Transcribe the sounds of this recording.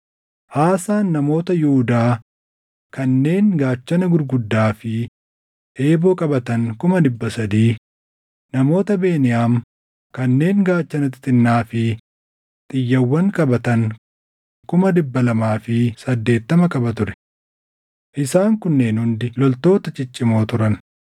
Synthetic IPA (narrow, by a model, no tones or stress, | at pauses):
haːsaːnːɐmo̞ːt̪ɐjʊhʊd̪aː | kɐnːe̞ːŋɡaːt͡ʃːɐnɐɡʊɾɡʊd̪ːaːfɪ | ʔe̞ːboːkʼɐbɐt̪ɐŋkʊmɐd̪ɪbːɐsɐd̪iː | nɐmo̞ːt̪ɐbe̞ːnɪjaːm | kɐnːe̞ːŋɡaːt͡ʃːɐnɐt̪ɪt̪ʼɪnːaːfɪ | t̪ʼɪjːɐwːɐŋkʼɐbɐt̪ɐŋ | kʊmɐd̪ɪbːɐlɐmaːfɪsɐd̪ːe̞ːt̪ːɐmɐkʼɐbɐt̪ʊɾɛ̥ | ʔɪsaːŋkʊnːe̞ːnhʊnd̪ɪlɔlt̪o̞ːt̪ɐt͡ʃʼɪt͡ʃʼːɪmo̞ːt̪ʊɾɐn